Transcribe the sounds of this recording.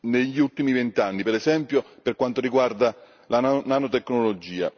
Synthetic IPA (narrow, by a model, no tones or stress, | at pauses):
neʎːiult̪imivent̪anːipeɾɛsɛmpjoperkwant̪oɾiɡward̪a | lannanot̪ekːnolod͡ʒiːa̰